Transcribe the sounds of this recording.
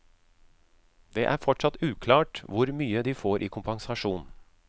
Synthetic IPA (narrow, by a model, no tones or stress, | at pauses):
d̪ḛːʔæːɾfɔʈʂɑt̪ʉːkʰlɑːʈʋʊɾmyːəd̪iːfoːɾʔiːkʰʊmpɑŋsɑʂuːn